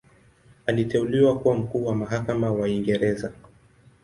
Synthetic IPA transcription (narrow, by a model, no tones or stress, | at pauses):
alitɛuliwakuwam̩kuːwamaɦakamawaiŋɡɛɾɛza